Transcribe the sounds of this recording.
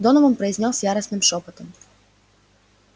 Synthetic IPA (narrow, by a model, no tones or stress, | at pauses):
d̪ɔnɔvɔmpɾɐjzʲnʲɔsjaɾɐsnɨmʃɔpɐt̪ɔm